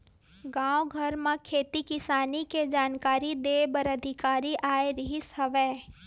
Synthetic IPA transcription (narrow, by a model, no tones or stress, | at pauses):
ɡãːwoɡʱɐɾmãkʰeːt̪ikɪsaːniked͡ʒaːnkaːɾid̪eːbəɾəd̪ʱɪkaːɾiʔaːeɾɪɦɪshəʋeː